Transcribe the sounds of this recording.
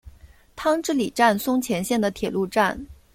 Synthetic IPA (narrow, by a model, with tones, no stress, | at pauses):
t̪ʰɑ˥ŋʈ͡ʂɻ̩˥˩li˨˩ʈ͡ʂa˥˩nsʊ˥ŋt͡ɕʰjɛ˧˥nɕjɛ˥˩nd̪ə˩t̪ʰjɛ˨˩lu˥˧ʈ͡ʂa˥˩n